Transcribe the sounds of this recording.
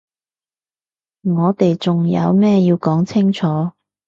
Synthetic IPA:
ŋɔː˨˧t̪e˨jt͡sʊ˨ŋjɐ̰˨˧wmɛː˥ji˧wkɔː˨˥ŋt͡sʰɪ˥ŋt͡ʃʰɔː˨˥

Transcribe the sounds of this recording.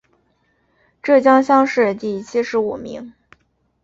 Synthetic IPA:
ʈ͡ʂɤ˥˩t͡ɕjɑ˥ŋɕjɑ˥ŋʂɻ̩˥˧t̪i˥˩t͡ɕʰi˥ʂɻ̩˧˥u˨˩mḭ˧˥ŋ

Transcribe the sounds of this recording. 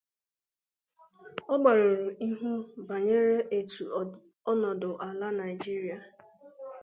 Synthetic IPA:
ɔ˦ɡ͡ba˨ɾo˨ɾu˨i˦ɦu˦ba˨ɲe˦ɾe˦ʔe˨tʰu˨ | ɔ˦nɔ˨dʊ˨ʔa˨la˦na˨ɪ˨d͡ʒi˦ɾi˦a˨

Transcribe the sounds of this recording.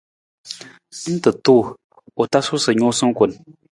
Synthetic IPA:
sɨ˦n̩˦tɨ˨toː˦˨ | o˨ta˦su˦sɨ˨ɲo˦sɨ˦ŋ̩˦ku˨n

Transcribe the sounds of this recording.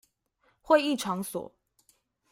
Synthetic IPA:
xwe˥˧ɪi˥˨ʈ͡ʂʰɑ˨˦ŋswɔ̰˨˩˦

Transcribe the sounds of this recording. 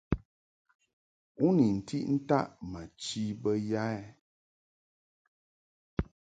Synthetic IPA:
u˦ni˨n̩˨ti˦ʔn̩˦ta̰˦ʔma˨t͡ʃi˦bə˦ja˦ɛ˦

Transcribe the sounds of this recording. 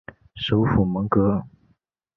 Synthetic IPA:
ʂo˧˥ʊfu˨˩mɤ˧˥ŋkɤ˧˥

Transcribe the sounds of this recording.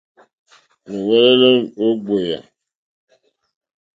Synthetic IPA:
ne˨wɛ˦le˦le˦mo˦ɡ͡be˨ja̰˨

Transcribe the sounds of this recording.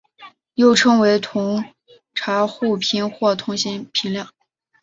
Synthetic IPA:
jo˥˩ʊʈ͡ʂʰɤ˥ŋwe˧˥ɪt̪ʰʊ˧˥ŋ | ʈ͡ʂʰa˧˥xu˥˩pʰi˧˥nxwɔ˥˩t̪ʰʊ˧˥ŋɕi˧˥npʰi˧˥ŋljɑ˥˩ŋ

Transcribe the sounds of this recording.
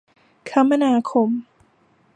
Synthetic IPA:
kʰa˦˥mːa˧naː˧kʰo˧m

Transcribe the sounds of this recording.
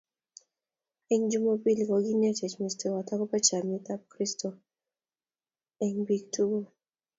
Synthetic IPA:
ɛ˦ɲd͡ʒu˦mo˦pi˦lkɔ˨ɡi˦nɛ˦t͡ʃɛ˨t͡ʃmi˨ste˨wa˨tɔ˦kɔ˦pa˦t͡ʃa˨mi˦t̪a˦p̚kɾisto˨ | ɛ˦ɲbik̚tu˦ɡo˦

